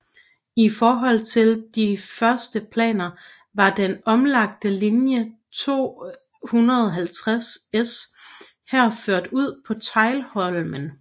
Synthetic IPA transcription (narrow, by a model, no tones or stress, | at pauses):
ifɒːɦɒ̽l̰t͡sʰe̝ld̥ifɶɐsd̥əpʰlɛ̰ːnɐ | ʋɑ̈d̥enɒ̽mlɑ̈ɡ̥̚d̥əlinjə | t͡sʰo̝̰ː | hunɐðˠɒɦælt͡sʰʁases | hæɐ̰føɐ̰d̥uð̞̰ˠpʰɒ̽t͡sʰɑ̈ɪlhɒ̽lmən